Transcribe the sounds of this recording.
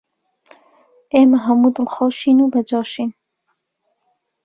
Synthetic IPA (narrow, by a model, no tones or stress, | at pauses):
ʔeːmɐɦɐmud̪ɨlxɔːʃiːnuːbɐd͡ʒɑːʃiːn